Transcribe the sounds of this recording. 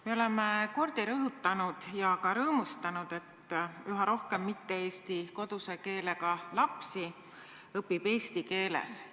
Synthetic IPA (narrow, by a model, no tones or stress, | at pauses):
me̞o̞le̞me̞ko̞rd̪̥iɾɤɦut̪ːˑɑnud̪̥jɑkɑɾɤːmust̪ɑnud̪̥e̞t̪ːˑyɦɑɾo̞hke̞mːit̪ːe̞eːst̪iko̞d̪̥use̞ke̞ːle̞kɑlɑpsi | ɤpːib̥e̞ːst̪ike̞ːlḛs